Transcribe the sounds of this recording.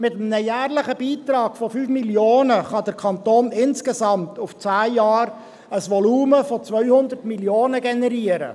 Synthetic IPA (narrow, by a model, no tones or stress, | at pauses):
mɪt̪əm̩nəjæːɾlɪχəb̥iːt̪ɾɑːɡ̥fɔfyːfmiljoːnəχɑd̪əɾkʰɑnt̪oːnɪnskesɑmt̪ʊft͡sæːjɑːɾ | əsʋɔluːməfɔt͡sʋœʏhʊnd̪əɾtmiljoːnəɡɛnɛɾiəɾə̰